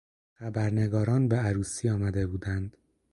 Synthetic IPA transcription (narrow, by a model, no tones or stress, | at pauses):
xæbæɾne̞ɡɒːɾɒːnbeæɾuːsiːɒːmæd̪e̞buːd̪ænd̪̥